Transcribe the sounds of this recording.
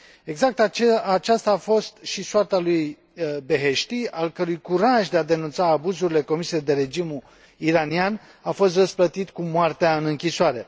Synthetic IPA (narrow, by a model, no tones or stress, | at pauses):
e̞ɡzak̚t̪t͡ʃat͡ʃast̪aːfo̞st̪ʃisoart̪aluj | be̞ɦe̞ʃt̪ialkəɾujkuɾaʒd̪e̞ad̪e̞nunt̪saːbuzuɾile̞ko̞misiejed̪e̞ɾe̞d͡ʒimu | iɾanian | afo̞st̪rəsplət̪it̪kumoart̪eaɨnɨŋkʲisoaɾe̞